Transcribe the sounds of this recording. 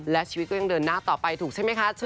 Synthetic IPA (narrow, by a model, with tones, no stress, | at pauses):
lɛ˦˥t͡ɕʰiː˧i˦t̪̚kɔ˥˩a˧ŋdɤː˧nːaː˥˩t̪ɔː˨˩pa˧jt̪ʰuː˨˩k̚t͡ɕa˥˩jma˦˥jkʰa˦˥sʰɯ˥˩